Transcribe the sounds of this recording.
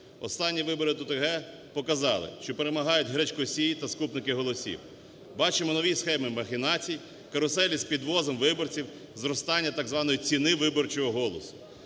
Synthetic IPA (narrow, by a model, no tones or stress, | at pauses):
ɔ̰st̪ɑnʲːiʋɪbɔɾɪt̪ʊt̪ɔɦɛ | pɔkɐzɑlˠɪ̰ʃt͡ʃɔpeɾemɐɦɑjʊtʲɦɾɛt͡ʃʲkɔsʲijit̪ɐskupnɪkɪɦɔlˠɔsʲḭw | bɑt͡ʃɪmɔnɔʋʲisxɛmɪmɐxʲɪnɑt͡sʲij | kɐɾɔsɛlʲisʲpʲid̪ʋɔzɔmʋɪbɔrt͡sʲiw | zɾɔst̪ɑnʲːɐt̪ɑɡzʋɑnɔjit͡sʲinɪʋɪbɔrt͡ʃɔɦɔɦɔlˠɔsʊ̥